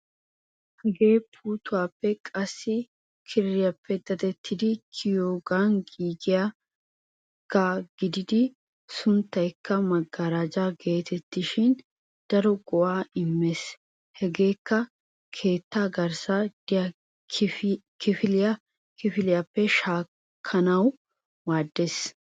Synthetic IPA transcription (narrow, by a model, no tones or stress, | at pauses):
hɛɡeːpʰuːt̪ʊwaːpːɛkʼɐsːɪ | kʰɪɾɪjɐpʰːɛd̪ɐd̪ɛt̪ʰːɪd̪ɪkʰɪjoːɡanɡiːɡɪja | ɡ̥aɡɪd̪ɪd̪ɪ | sʊnt̪ːɐjkʰːɐmɐɡːɐɾad͡ʒaɡe̞ːt̪ʰɛt̪ːɪʃɪn | d̪̥ɐɾɔɡɔʔaːɪmːes | hɛɡe̞ːkːɐ | kʰe̞ːt̪ːaːɡɐɾsad̪̥ɪjɐ | kɪfɪlɪjɐ | kɪfɪlɪjɐpːɛʃaː | kʰːɐnɐw | waːd̪ːes